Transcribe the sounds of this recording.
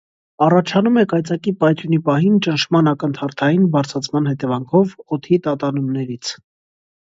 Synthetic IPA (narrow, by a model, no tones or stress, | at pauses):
ɑrɑt͡ʃʰɑnumɛkɑjt͡sɑkipɑjt̪ʰjunipɑɦint͡ʃənʃʰmɑnɑkənt̪ʰɑɾt̪ʰɑjinbɑɾt͡sʰɑt͡sʰmɑnhɛt̪ɛvɑŋkʰɔvɔt̪ʰit̪ɑt̪ɑnumnɛɾit͡sʰ